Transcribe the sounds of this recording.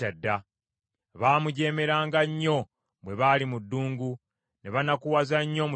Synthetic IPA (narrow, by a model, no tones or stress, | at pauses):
adːa | βaːmuɟe̞ːme̞ɾaːŋɡaɲːo̞ | bwe̞βaːlimudːuːŋɡu | neβanakuwazaɲːo̞mu